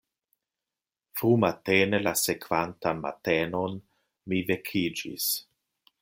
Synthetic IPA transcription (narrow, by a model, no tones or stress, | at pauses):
fɾumateːnelasekvantanma̰teːnon | mivekʰid͡ʒḭs